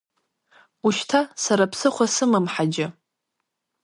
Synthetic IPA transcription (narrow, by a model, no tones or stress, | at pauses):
uʃtʰasaɾapʰsɨχʷasɨmɨmħad͡ʒɪ